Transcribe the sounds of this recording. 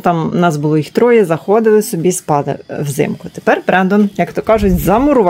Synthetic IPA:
t̪ɑmnɑsbʊlˠɔjixt̪ɾɔjɛzɐxɔd̪ɪlˠɪsɔbʲispɑlˠɪ̰wzɪ̰mkʊt̪e̥pɛrpɾɛnd̪ɔnjɐkt̪ɔkɑʒʊt͡sʲzɐmʊɾʊʋ

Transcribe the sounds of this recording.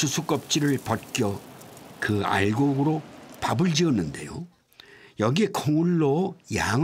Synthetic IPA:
usʰuk͈ʌp̚t͡ɕ͈iɾɯɭpʌt̚k͈jʌkɯa̰ɭɡoɡɯɾopabɯɭd͡ʑiʌnːɯnde̞̰jo | jʌɡiekʰoŋuɭːojaŋ

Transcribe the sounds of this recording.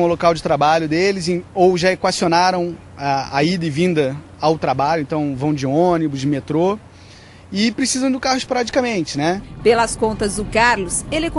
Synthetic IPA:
ʊlokawd͡ʒɪt̪ɾabaʎʊd̪elɪzẽowʒaekwasionaɾɐ̃w̃ | aa̰id̪ɪvĩnd̪ɐ | awt̪ɾabaʎʊẽnt̪ɐ̃w̃vɐ̃w̃d͡ʒɪonibʊzd͡ʒɪmet̪ɾo | ɪpɾesizɐ̃w̃d̪ʊkahʊɪspoɾat͡ʃi̥kɐmẽnt͡ʃɪnɛpelɐskõnt̪ɐzd̪ʊkaɾlʊselɪk

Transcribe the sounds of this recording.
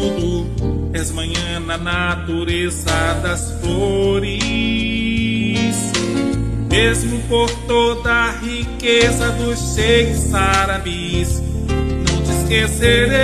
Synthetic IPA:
d̪ʊ | ɛzmɐ̃ɲɐ̃nɐnat̪uɾezɐd̪ɐsfloɾi | s | mezmʊpoɾt̪od̪ɐhikezɐd̪ʊsseɾsaɾabisnɐ̃w̃t͡ʃɪiskeseɾe

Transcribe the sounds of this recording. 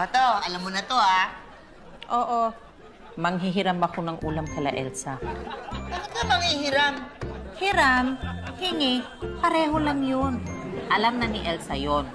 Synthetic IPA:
ɐt̪oɐlamːonɐt̪oa | ʔo̞ːʔo | mɐŋɦiɦɪɾambɐkonɐŋʔuːlɐmkɐlɐ̰ʔɛ̰lsa | pɐkʊt̪̚amɐŋhihɪɾamhɪɾamhɪŋɪ | pɐɾɛːɦo̞laŋjonʔɐlamnɐnɪʔɛlsɐjon

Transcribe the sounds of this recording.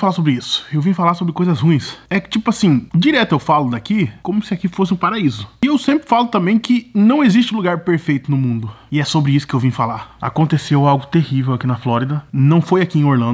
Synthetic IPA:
falasobɾɪisʊ̥ewvĩfalasobɾɪkojzɐshũĩsɛt͡ʃipʊasĩd͡ʒiɾɛt̪ʊewfalʊd̪akikõmʊsɪakifosɪũpaɾaizʊɪewsẽmpɾɪfalʊt̪ɐ̃mbẽj̃kɪnɐ̃w̃ezist͡ʃɪũluɡaɾpeɾfejt̪ʊnʊmũnd̪ʊɪɛsobɾɪisʊ̥kɪewvĩfala̰a̰kõnt̪esewawɡʊt̪ehivewakinɐflɔɾid̪ɐnɐ̃w̃fojakiẽj̃oɾlɐ̃n

